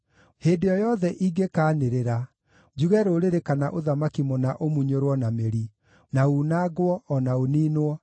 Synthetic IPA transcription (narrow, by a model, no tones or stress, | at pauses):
heːndejɔjɔðɛʔiɡekaːneɾeɾa | d͡ʒuɣɛɾoːɾeɾekanaʔoðamakimɔnaʔomuɲoɾwɔnameɾi | nauːnaɡwɔːnaoniːnoɔ